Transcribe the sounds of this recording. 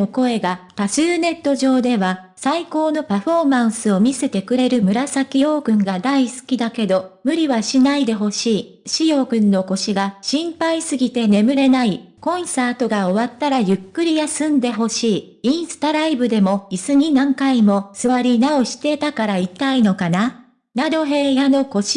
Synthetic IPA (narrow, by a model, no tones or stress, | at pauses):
oko̞e̞ɡat̪asɨːne̞t̪ːo̞ʑo̞ːd̪e̞βa | saiko̞ːno̞paɸo̞mãɰ̃sɨo̞mʲise̞t̪e̞kɯ̟ɾe̞ɾɯ̟mɯ̟ɾasakʲijo̞ːɡɯ̟̃ŋɡad̪aisɨ̥kʲid̪ake̞d̪o̞mɯ̟ɾʲiβaɕinaid̪e̞ɦo̞ɕiː | ɕijo̞ːɡɯ̟̃nːo̞ko̞ɕiɡaɕĩmpaisɨɡʲit̪e̞ne̞mɯ̟ɾe̞naikõ̞ɰ̃saːt̪o̞ɡao̞βat̪ːaɾajɯ̟kːɯ̟ɾʲijasɨ̃nd̪e̞ɦo̞ɕiː | ĩɰ̃sɨ̥t̪aɾaibɯ̟d̪e̞mo̞isɨɲ̟inãŋkaimo̞sɨβaɾʲinao̞ɕi̥t̪e̞t̪akaɾait̪aino̞kana | nad̪o̞ɦe̞ːjano̞ko̞ɕi̥